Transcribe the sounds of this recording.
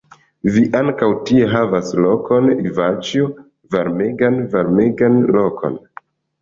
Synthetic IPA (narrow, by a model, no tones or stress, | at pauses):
viʔaŋkawtie̞ɦavaslokʰo̞nivat͡ʃjo | vaɾmeɡanvaɾmeɡanlo̞kʰo̞̰n